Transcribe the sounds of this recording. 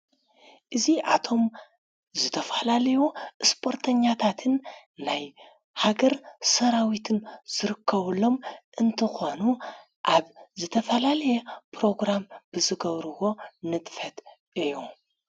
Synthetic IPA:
ʔɨziʔat̪ʰo̞m | zɨt̪ʰɐfalalɐjuɨspʰo̞ɾt̪ʰɐɲːat̪ʰat̪ʰɨnːaj | haɡɐɾsɐɾawit̪ʰɨnz̥ɨɾɨkʰːɐβɨlːo̞mʔɨnt̪ʰɨxo̞nu | ʔaβzɨt̪ʰɐfɐlalɐjɛpɾo̞ɡɾamb̥ɨzɨɡɐβɾɨwo̞nɨt̪ʼfɐt̪ | ʔɨjːu

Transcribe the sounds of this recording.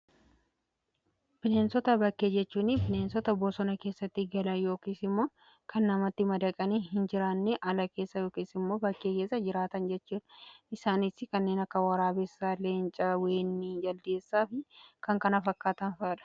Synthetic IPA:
bɪneːnsɔt̪ɐbɐkːeːd͡ʒɛt͡ʃːuːnɪbɪneːnsɔt̪ɐboːsɔnɐke̞ːsːɐt̪ːɪɡɐlɐnjo̞ːkiːsɪmːo̞ː | kɐnːɐmɐt̪ːɪmɐd̪ɐkʼɐniːhɪnd͡ʒɪɾaːnːɛʔɐlɐke̞ːsːɐjo̞ːkiːsɪmːo̞ːbɐkːeːkeːsːɐd͡ʒɪɾaːt̪ɐnd͡ʒɛt͡ʃːuːᶑɐ̥ɪsaːnɪsɪkɐnːe̞ːnɐkːɐwɐɾaːbɛsːaːleːnt͡ʃʼɐwe̞ːnːid͡ʒɐld̪e̞ːsːaːfɪkɐŋkɐnɐfɐkːaːt̪ɐnfaːᶑɐ̥

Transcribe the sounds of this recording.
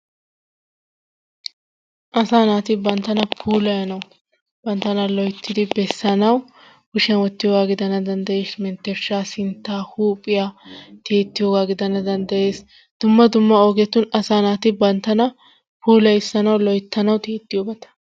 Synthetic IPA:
ʔɐsaːnaːt̪ɪbɐnt̪ːɐnɐpʰuːlɐjɐnɐw | b̥ɐnt̪ːɐnɐlɔjt̪ːɪd̪ɪbɛsːɐnɐw | hʊʃɛnwɔt̪ːɪjoːɡaːɡɪd̪ɐnɐd̪ɐnd̪ɐje̞ːsmɛnt̪ːɛɾʃaːsɪnt̪ːaːhuːpʼɪjat̪ʰeːt̪ːɪjo̞ːɡaːɡɪd̪ɐnɐd̪ɐnd̪ɐje̞ːs | d̪̥ʊmːɐd̪ʊmːɐoːɡɛt̪ːʊnɐsaːnaːt̪ɪbɐnt̪ːɐnɐ | pʰuːlɐjɪsːɐnɐwlɔjt̪ːɐnɐwt̪eːt̪ːɪjoːbɐt̪ɐ̥

